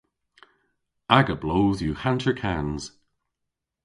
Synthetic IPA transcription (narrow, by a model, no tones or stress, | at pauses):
aɡəbloːðjuhãntʰəɹkʰanz̥